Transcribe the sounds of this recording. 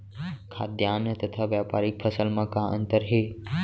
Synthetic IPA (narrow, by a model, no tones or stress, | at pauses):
kʰaːd̪jaːnt̪ɐt̪ʰaʋjaːpaːɾik̚pʰɐsəlmãkãːʔɐ̰̃nt̪əɾɦeː